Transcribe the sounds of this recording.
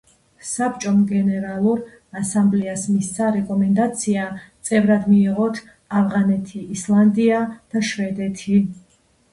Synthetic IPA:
sap̚t͡ʃʼɔmɡɛnɛɾalˠuɾ | asamblɛasmist̪sʰaɾɛkʼɔmɛnd̪at̪sʰiat̪sʼɛvɾad̪miːʁɔt̪ʰ | avʁanɛt̪ʰiːslˠand̪iad̪̥aʃvɛd̪ɛt̪ʰi

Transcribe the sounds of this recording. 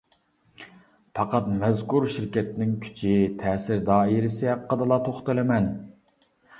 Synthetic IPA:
pʰɑqɑt̪mɛzkuɾʃɪɾkʲɛt̪nɪŋkʲʰy̥t͡ʃʰɪt̪ʰɛːsɪɾd̪ɑːejɾɪsɛqʰəd̪ɨlˠɑt̪ʰoχt̪ɨlˠɨmɛn

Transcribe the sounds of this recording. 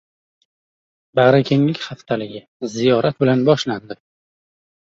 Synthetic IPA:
baʁɾakʲʰeŋlɪkʲχaft̪ʰalɪɡʲɪ | zijɒɾʔat̪̚bɪlanbɒʃland̪ɪ

